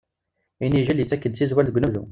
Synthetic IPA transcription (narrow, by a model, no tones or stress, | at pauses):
iniʒəljət͡sːækːənd̪θizwælðəɡʷnəðṵ